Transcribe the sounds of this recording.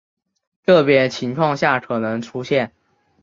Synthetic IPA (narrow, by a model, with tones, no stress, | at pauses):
t̪ɤ˥˩pjɛ˧˥t͡ɕʰi˧˥ŋkʰwɑ˥˧ŋɕja˥˩kʰɤ˨˩nɤ˧˥ŋʈ͡ʂʰu˥ɕjɛ˥˩n